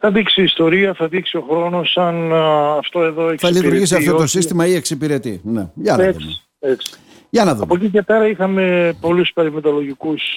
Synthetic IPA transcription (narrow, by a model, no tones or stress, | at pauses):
θɐðiksiːst̪o̞ɾiɐθɐðiksio̞xɾo̞no̞sɐnɐft̪o̞e̞ðo̞ekθɐlit̪uɾʝisiɐfft̪oo̞sist̪imɐie̞ksipiɾe̞t̪ḭne̞̰ʝɐneðuks | eksi̥ | ʝɐnɐðuɐ̰mpocice̞pe̞ɾɐixɐme̞po̞luspeɾimet̪olo̞ʝikus